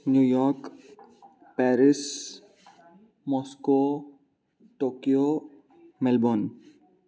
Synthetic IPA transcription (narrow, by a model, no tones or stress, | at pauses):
njujɔɾk | pɛɾɪs | mɔsko | ʈoːkijo | mɛlbon